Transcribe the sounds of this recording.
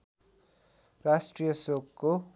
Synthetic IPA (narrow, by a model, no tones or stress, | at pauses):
rasʈrijʌsokkːo